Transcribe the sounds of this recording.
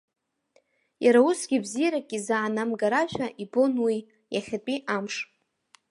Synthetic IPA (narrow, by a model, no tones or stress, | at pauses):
jaɾausɡ̥ʲibzijɾakʲʼizaʕanamɡaɾaʃᶣʷaʔibo̞nwi | jaχʲat͡pʼiʔamʂ